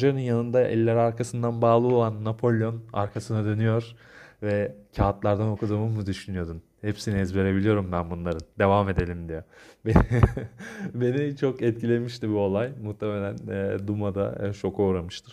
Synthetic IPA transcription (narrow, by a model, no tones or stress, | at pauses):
ʒaɾɯnjanɯnd̪aʔɛ̰lʲːæɾaɾkʰasɯnd̪anbaːlˠɯo̞lˠanːapʰo̞lʲjo̞na̰ɾkʰasɯnad̪ø̞nyjo̞ɾ̥ | vɛcʰaːt̪lˠaɾd̪ano̞kʰud̪uːmɯmɯd̪yʃynyjo̞d̪un | hepsiniɛzve̞ɾe̞bilʲijo̞ɾumd̪ænbunlˠaɾɯnd̪e̞vamed̪e̞lʲimd̪ijɛbe | be̞nit͡ʃʰo̞kɛt̪̚cilʲe̞miʃt̪ibio̞lˠajmuht̪ʰeme̞lʲænːd̪umad̪a̰t͡ʃʰo̞kʰo̞ɾamɯʃt̪ʰɯɾ̥